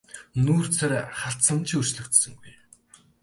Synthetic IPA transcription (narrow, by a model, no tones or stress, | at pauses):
nuːrt͡sʰaɾʲχaɬsə̆nt͡ɕʰiurt͡ɕɮɵ̆kt̪sɵ̆ŋɡuj